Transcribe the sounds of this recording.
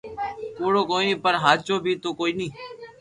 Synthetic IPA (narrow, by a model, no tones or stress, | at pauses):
puːɽoːkoːnĩːpəɾɦaːt͡ʃoːbʱiːt̪oːkoːiːnĩː